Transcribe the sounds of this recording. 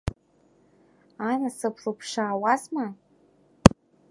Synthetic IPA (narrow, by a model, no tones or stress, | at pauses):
anasɨpʰrupʰʂaːwazma